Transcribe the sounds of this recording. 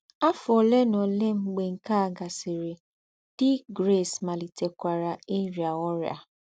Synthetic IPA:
a˦fʊ˨ɔ˨le˦nɔ˨le˦m̩˦ɡ͡be˨ŋ̩˨ka˦˨ɡa˨sɪ˨ɾe˨ | d̥ɪ˦ɡɾe˦˨sma˨li˨te˨kʷa˨ɾa˨e˦ɾi˨a˨ɔ˦ɾja̰˨

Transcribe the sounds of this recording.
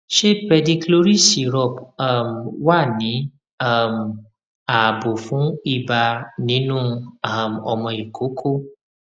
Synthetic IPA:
ʃe˦pɛ˧dĩ˧klo˦ɾi˦˨si˨ɾɔ˦˨pa˦˨mwa˦˨nĩ˨˦ | a˦˨m̩˨ | a˨bo˨fũ˨˦i˦˨ba˧nĩ˦nũ˦a˦˨m˨ɔ˧mɔ̃˧i˨kʰo˨˦kʰo˦

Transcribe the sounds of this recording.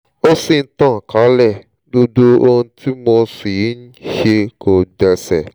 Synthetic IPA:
o˦si˦˨n̩˦tã˦˨ka˨˦lɛ˦˨ | do˧do˦o˧ũ˧ti˦mɔ˧si˨ji˨˦n̩˦ʃe˧kʰo˨dɛ˧sɛ˨

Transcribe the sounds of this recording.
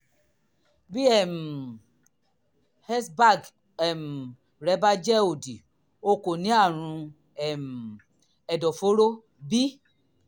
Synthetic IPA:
bi˦ɛ˦˨m˨ | hɛ˦sba˦˨ɡ | ɛ˨m̩˨ | ɾɛ˨˦ba˦d͡ʒɛ˦o˨di˨ | o˧ko˨nĩ˨˦a˦˨ɾ̃ũ˧ | ɛ˦˨m̩˨ | ɛ˨dɔ˨fo˨˦ɾo˦ | bi˦

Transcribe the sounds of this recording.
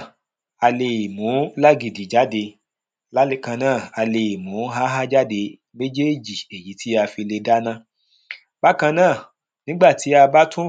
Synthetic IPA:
a˧le˧˨i˨mũ˨˦la˦ɡi˨di˨d͡ʒa˦de˧ | la˦li˦kã˧nãː˦˨a˧le˧i˨mũ˨˦ɦa˦ɦa˦d͡ʒa˦de˧ | me˦d͡ʒe˦˨d͡ʒi˨e˨ji˨˦tʰi˦a˧fi˧le˧da˦nã˦ | ba˦kã˧nãː˦˨ | nĩ˦ɡ͡ba˦˨ti˨˦a˧ba˦tũ˦

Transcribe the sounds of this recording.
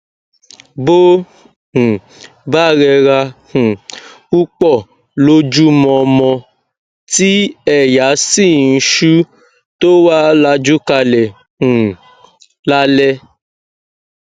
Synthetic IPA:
bo˦ | h̩˨ | ba˦˨ɾɛ˧ɾa˧h̩˨ | u˦k͡pɔ˦˨ | lo˧˦d͡ʒu˦mɔ̃˧mɔ̃˧ | ti˦ɛ˦˨ja˨˦si˦˨n̩˧ʃu˦ | to˦waː˦la˧d͡ʒu˦ka˧lɛ̃˨ | la˦lɛ˦

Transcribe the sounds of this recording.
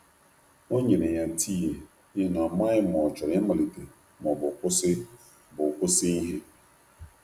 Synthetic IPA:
o˦ɲe˨ɾe˨ja˨tʰi˦je˨ | ɪ˦na˨ma˦ɪ˦mɔ˨t͡ʃɔ˨ɾe˦ma˨li˨te˨ | mɔ˨bʊ˨kʷʊ˦sɪ˦ | bʊ˨kʷʊ˦sɪ˦i˦ɦe˦

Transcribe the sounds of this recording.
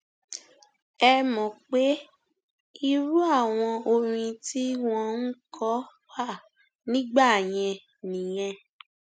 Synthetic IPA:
ɛ˧mɔ̃˨k͡pe˨˦ | i˦˧ɾu˦a˦˨w̃ɔ̃˧o˧ɾĩ˧ti˦w̃ɔ̃˦˧n̩˦kʰɔ˦ | wa˦˨ | nĩ˦ɡ͡ba˦˨j̃ɛ̃˧ | nĩ˨j̃ɛ̃˧

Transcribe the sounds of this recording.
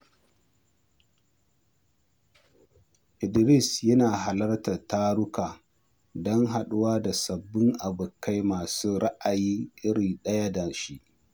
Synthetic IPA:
ʔɪ˨dɾɪ˦˨sjɐ˦naː˨ɦa˨lɐ˦rta˨taː˦ɽʊ˦kaː˨ | dɔ˦ŋɦa˨ɗʊ˦waː˦da˨sɐ˨bːɪ˦ŋʔa˨bʊ˨kːa˦jmaː˨suː˦ɽa˦ʔa˨jiː˦ʔɪ˦ɾi˨ɗɐ˦ja˦da˨ʃi˦ʔ

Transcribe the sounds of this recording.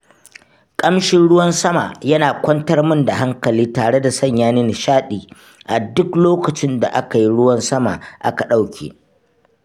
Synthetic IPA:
kʼɐ˦mʃɪ˦nɽʊ˦wɐ˦nsɐ˦ma̰ː˨jɐ˦naː˨kʷɐ˦ntɐ˦rmʊ˦nda˨ɦa˦ŋkɐ˨liː˦taː˨ɽe˦da˨sɐ˦˨ɲjaː˦neː˦nɪ˨ʃaː˦ɗiː˨ | ʔa˨dʊ˦kloː˦kɐ˨t͡ʃɪ˦nda̰˨ʔa˦ka˨ji˦ɽʊ˦wɐ˦nsɐ˦ma̰ː˨ʔa˦ka˨ɗa˦wkʲʰḛː˨

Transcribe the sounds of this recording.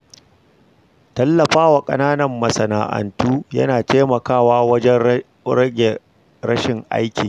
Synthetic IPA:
tɐ˦lːɐ˨ɸaː˦wa˨kʼɐ̰˦naː˦nɐ˨mːɐ˨sɐ˨na̰ː˨ʔɐ̰˨ntuː˦jɐ̰˦naː˨teː˦mɐ˨kaː˦waː˦wɐ˦d͡ʒɛ˦ | ɾɐ˦ɡʲe˨ | ɾɐ˦ʃɪ˨ŋʔa̰˦jkʲiː˨

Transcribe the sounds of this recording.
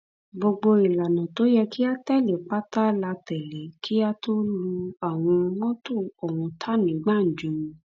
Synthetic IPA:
ɡ͡bo˧ɡ͡bo˧i˨la˨nã˨to˨˦jɛ˧ki˦a˦tɛ˦˨le˨k͡pa˦ta˦la˧tɛ˨le˨˦kʰi˦a˦to˦lu˧a˨w̃ɔ̃˧mɔ̃˦to˦˨ɔ˨wɔ̃˧tʰa˦nĩ˨˦ɡ͡ba˦˨d͡ʒũ˨˦ũ˧

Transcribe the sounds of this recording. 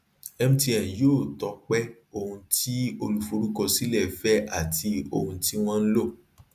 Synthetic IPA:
ɛ˧mũ˦ti˧ɛ̃˨joː˦˨tɔ˨˧˦k͡pɛ˦ | o˧hũ˧ti˦o˧lu˧fu˧ɾu˦kɔ˧si˦lɛ˦˨fɛ˦a˦˨ti˧o˧hũ˧ti˦w̃ɔ̃˦˧n̩˦lo˦˨

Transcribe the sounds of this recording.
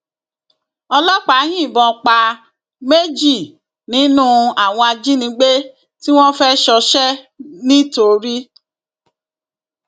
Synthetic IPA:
ɔ˧lɔ˦k͡pa˨˦ɦĩ˦˨bɔ̃˧k͡pa˧ | me˦d͡ʒi˦˨ | nĩ˨˦nũ˦a˨w̃ɔ̃˧a˧d͡ʒi˦nĩ˨˧˦ɡ͡be˦ | ti˦w̃ɔ̃˦fɛ˦ʃɔ˧ʃɛ˦ | nĩ˦to˧ɾi˦

